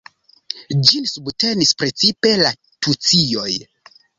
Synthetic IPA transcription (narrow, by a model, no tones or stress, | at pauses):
d͡ʒinsubte̞nispɾe̞t͡sipe̞la | tut͡sijo̞j